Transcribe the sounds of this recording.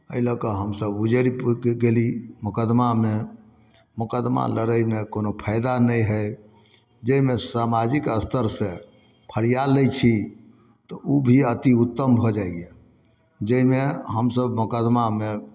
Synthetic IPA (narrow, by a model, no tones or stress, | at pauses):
əiləkəɦəmsəbud͡ʒəɾipɡelimukəd̪mame | mukəd̪ma̰ləɾəjmekonopʰəɪd̪anəjɦə | d͡ʒəimesamad͡ʒikəst̪ʰəɾsẽ | pʰəɽijaləjt͡ʃʰi | t̪ɔubʱiət̪iut̪ːəmbʱɔd͡ʒaie | d͡ʒəimeɦəmsəbmukəd̪mame